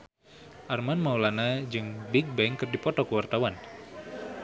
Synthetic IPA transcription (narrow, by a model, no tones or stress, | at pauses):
ʔarmanmaulanad͡ʒɨŋbik̚bɛŋkərdipɔt̪ɔkuwart̪awan